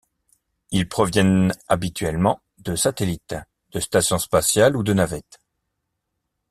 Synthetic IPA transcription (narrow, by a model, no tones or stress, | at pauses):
ilpχɔvjɛnabit̪ɥɛlmɑ̃ | d̪əsat̪elit̪ | d̪̥əst̪asjɔ̃spasjalud̪ənavɛt̪